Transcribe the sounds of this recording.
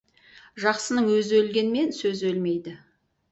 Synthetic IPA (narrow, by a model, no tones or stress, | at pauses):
ʒɑqsənəɴwɵzɵlɡʲe̞nme̞nsɵzɵlme̞jd̪ɪ